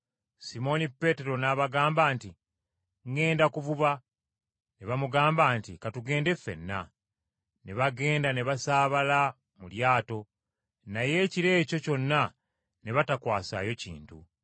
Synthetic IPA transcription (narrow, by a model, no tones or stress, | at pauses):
simo̞nipːe̞te̞ɾo̞naβaɡaːmbaːnti | ŋɡe̞ːndakuvuβa | neβamuɡaːmbaːntikatuɡe̞ːnde̞fe̞̰nːa̰ | neβaɡe̞ːndaneβasaːβala | muljaːto̞ | naje̞ːciɾe̞ːco̞co̞nːa | neβatakwaːsa̰ːjo̞cḭːntṵ